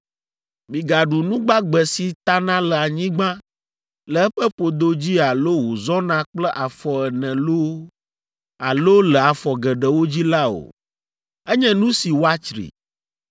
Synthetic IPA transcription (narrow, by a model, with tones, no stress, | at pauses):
mĩ˨ɡa˨ɖu˨nũ˦ɡ͡ba˦ɡ͡bɛ˨si˨t̪a˦nã˦lə˨a˨ɲĩ˦ɡ͡bã˦ | lə˨ɛ˦ɸɛ˦ɸo˨d̪o˦d͡ʑi˦a˨lo˦wo˨zɔ˦nã˦k͡plɛ˦ʔa˨fɔ˨ɛ˨nɛ̃˨lo˦ | a˨lo˦lə˨a˨fɔ˨ɡɛ˨ɖɛ˨wo˦d͡ʑi˦la˦o̰˨ | ɛ˦ɲɛ̃˦nũ˦si˨wo˦a˦t͡ʃɾḭ˨